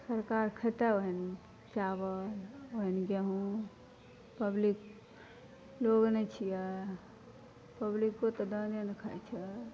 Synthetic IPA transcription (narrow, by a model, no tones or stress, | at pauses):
səɾkaɾkʰət̪əoɦin | t͡ʃabəoɦinɡeɦũ | pəblik | loɡnɛt͡ʃʰijɛ | pəblikːot̪ɔd̪ənenkʰət͡ʃʰə